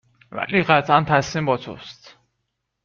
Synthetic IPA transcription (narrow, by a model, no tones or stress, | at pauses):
væ̰liːɢæt̪ʰʔænt̪ʰæsiːmbɒːt̪ʰo̰st̪